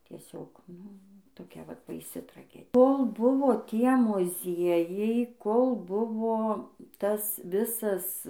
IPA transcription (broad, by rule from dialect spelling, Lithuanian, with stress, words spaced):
tʲiɛˈsʲoːk ˈnʊ toːˈkʲɛ ˈʋɐt bɐɪˈsʲɪ trɐˈɡʲɛ ˈkoːlˠ ˈbʊʋoː ˈtʲiɛ mʊˈzʲiɛjɛɪ ˈkoːlˠ ˈbʊʋoː ˈtɐs ˈʋʲɪsɐs